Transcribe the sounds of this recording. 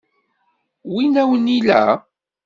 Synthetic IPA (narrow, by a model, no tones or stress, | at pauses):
winæwənilæ̰